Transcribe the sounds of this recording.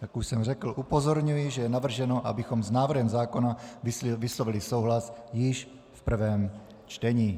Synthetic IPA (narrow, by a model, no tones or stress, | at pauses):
t̪akuʃsɛmrɛkl̩ʔupozoɾɲujiʒɛjɛnavr̩ʒɛnoʔa̰bɪxomznaːvr̩ɦɛmzaːkonavɪslovilɪsowɦlasjɪʃ | fpr̩vɛːm | t͡ʃt̪ɛɲiː